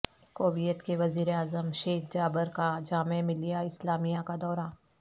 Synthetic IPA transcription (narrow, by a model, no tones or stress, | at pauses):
koːbijət̪keʋɐziːɾeaːzəmʃeːk̚ʰd͡ʒaːbəɾkad͡ʒaːmemɪlijaɪslaːmijakad̪ɔːɾaː